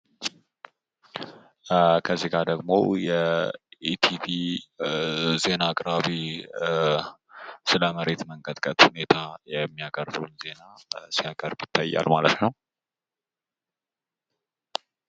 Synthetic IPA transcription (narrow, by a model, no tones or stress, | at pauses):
kʰəzːiɡad̪əɡmo̞̰jɛet̪ʰivi | ze̞naːkʼɾaβi | sɨləməɾe̞t̪məŋkʼət̪ʼkʼət̪hune̞t̪ʰajɛmːijakʼəɾd̪əwnze̞nasijakʼəɾbjɪt̪ʰːajːa̰lmalət̪nəw